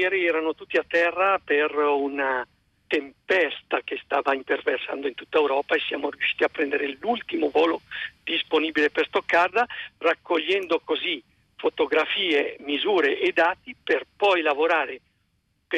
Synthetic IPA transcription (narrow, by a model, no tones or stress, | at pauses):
jɛːɾiɛːɾanot̪ut̪ːiat̪ːɛrːaperuna | t̪empɛst̪ak̟est̪aːvaint̪erversand̪oint̪ut̪ːaewɾɔːpaesːja̰ːmoɾjuʃiːt̪iapːɾɛnd̪eɾelult̪imovoːlod̪isponiːbileperst̪okːard̪arakːoʎːɛnd̪okozi | fot̪oɡɾafiːemizuːɾeʔed̪aːt̪iperpɔjlavoɾaːɾe | p